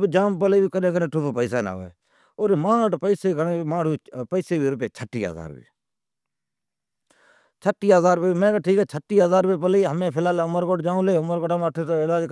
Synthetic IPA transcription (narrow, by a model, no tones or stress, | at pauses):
bd͡ʒaːmpəleːbiːkənẽːkənẽːʈʰʊpːpəɪsaːna̰ːḛː | oːɾmãːʈpəːseːkəneːmãːɽiːpəɪːseːbiːɾʊpeːt͡ʃʰəʈːḭːɦə̰za̰ːɾbḭ | t͡ʃʰəʈːiːəzaːɾpeːmɛ̃ːkaːʈʰiːkɛːt͡ʃʰəʈːiːɦəzaːɾpeːp̬əleːɦəmẽːpʰɪlaːlʊməɾkoːʈd͡ʒaːũleːʊməɾkoːʈamaʈʰet̪oːɪlaːd͡ʒ